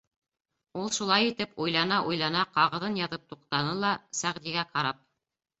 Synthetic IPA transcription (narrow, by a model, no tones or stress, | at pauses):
ulˠʃulˠɑjit̪ɘpujlˠɑnɑʔujlˠɑnɑqɑʁɤ̆ðɤnjɑðɤp̚t̪uqt̪ɑnɤlˠɑsæʁd̪iɡæqɑɾɑp̚